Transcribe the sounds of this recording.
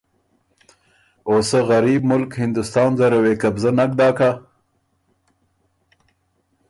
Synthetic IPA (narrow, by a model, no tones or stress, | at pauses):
oːsaɣaɾiːbmʊlkhɪnd̪ʊst̪ɑːnzaɾaweːkabzanak̚d̪ɑːka